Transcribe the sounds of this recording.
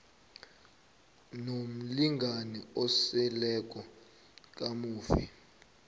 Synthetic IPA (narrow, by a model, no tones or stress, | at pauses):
nom̩liŋɡʱanɛɔsɛlɛk̬ʼɔ | k̬ʼamuːfi